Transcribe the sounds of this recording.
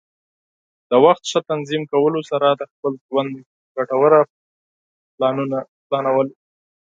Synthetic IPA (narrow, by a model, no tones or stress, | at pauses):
d̪̥əwaxt̪ʃat̪anzimkawəlosaɾad̪əxpəlʒwand̪ | ɡaʈawəɾa | plɑnunaplɑnawəl